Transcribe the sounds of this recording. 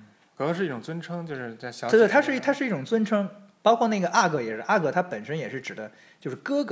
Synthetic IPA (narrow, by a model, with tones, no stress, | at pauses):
kɤ˨˩n˧ʂɻ̩˧i˥˩ʈ͡ʂʊ˨˩ŋt͡swə˥nʈ͡ʂʰɤ˥ŋt͡ɕjo˥˧ʊʂɻ̩˥˧t͡sa˥˩ɪɕjɑ˧˥˧t̪wt̪ʰa˥ʂɻ̩˥˧i˥˩t̪ʰa˥ʂɻ̩˥˧i˥˩ʈ͡ʂʊ˨˩ŋt͡swə˥nʈ͡ʂʰɤ˥ŋ | pɑ˥ʊkʰwɔ˥˧na˥˩ɡə˩ʔa˥˩kɤ˧˥jɛ˨˩ʂɻ̩˥˧ʔa˥˩kɤ˧˥t̪ʰa˥pə˨˩nʂə˥njɛ˨˩ʂɻ̩˥˩ʈ͡ʂɻ̩˨˩d̪ə˦ | t͡ɕjo˥˧ʊʂɻ̩˥˩kɤ˥k